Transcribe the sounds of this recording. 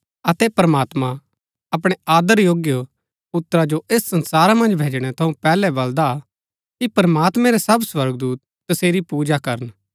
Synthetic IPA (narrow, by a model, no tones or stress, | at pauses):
ɐt̪ɛpɾɐmaːt̪mã | ɐp̬ɽ̃eaːd̪əɾjoːɡjə | pʊt̪ːɾad͡ʒoeːsːɐ̃nsaːɾamɐ̃nd͡ʒbʱeːd͡ʒɽ̃ɛt̪ʰɐũpɛːlɛbɐld̪a | kipɾəmaːt̪mɛ̃ɾesɐbswɐɾɡd̪uːt̪ːɐseːɾipuːd͡ʒakɐɾən